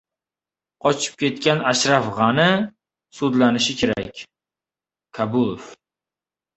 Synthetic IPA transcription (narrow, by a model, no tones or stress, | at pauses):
qʰɒt͡ʃʰɪ̥p̚kʲʰe̞t̪kʲanaʃɾafʁɑnɪ | sud̪lanɪʃɪkʲʰe̞ɾa̰kʲ | kʰabʊlˠof